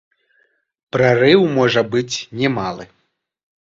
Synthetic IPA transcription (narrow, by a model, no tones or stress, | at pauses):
pɾarɨwmɔʐɐbɨt͡sʲnʲɛmalˠɨ